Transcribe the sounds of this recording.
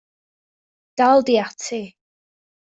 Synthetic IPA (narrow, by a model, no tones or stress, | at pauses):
d̥alˠdiatʰi